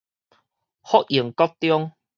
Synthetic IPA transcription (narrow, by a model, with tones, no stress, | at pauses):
hɔ˦k̚ji˨˩əŋkɔ˦˥k̚t̪jɔ˥˦ŋ